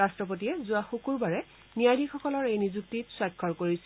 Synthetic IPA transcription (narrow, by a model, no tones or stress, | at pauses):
astɹɔp̬otiɛzʊaxukuɹbaɹɛ | nijadixɔkɔlɔɹejnizuk̚titswakʰːɔɹkoɹis